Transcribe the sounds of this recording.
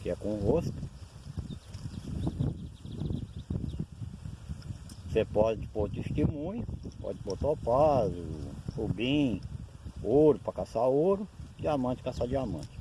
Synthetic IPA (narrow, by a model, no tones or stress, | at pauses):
kɪɛkõɦost̪ʊ̥ | sepɔd͡ʒɪpoɾt͡ʃ̪iʃt͡ʃ̪imũjpɔ̰d͡ʒɪbot̪aupazʊhubĩ | oɾʊpɾɐkasaoɾʊɪamɐ̃t͡ʃɪ̥kasad͡ʒɪamɐ̰̃t͡ʃɪ̥